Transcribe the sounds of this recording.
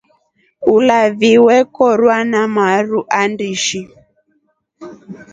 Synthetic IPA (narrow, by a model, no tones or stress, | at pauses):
ulaviwɛkɔɾwanamaɾuʔandiʃi